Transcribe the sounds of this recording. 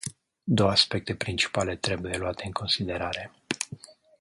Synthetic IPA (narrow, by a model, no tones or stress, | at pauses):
d̪o̞woaspe̞k̚t̪e̞pɾint͡ʃi̥pale̞t̪ɾe̞buje̞luat̪e̞ɨŋkʰo̞nsid̪e̞ɾaɾe̞